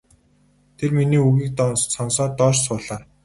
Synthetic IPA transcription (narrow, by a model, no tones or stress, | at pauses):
t̪ʰerminiːuɣiːk̚t̪sɔnsɔːt̪ɔːʃsʊːɮaː